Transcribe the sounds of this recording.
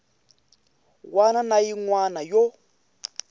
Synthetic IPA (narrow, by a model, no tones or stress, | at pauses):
wananajiŋwanajɔ